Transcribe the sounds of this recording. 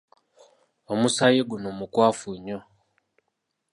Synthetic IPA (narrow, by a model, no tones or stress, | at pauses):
omusajeɡunomukwaːfuɲo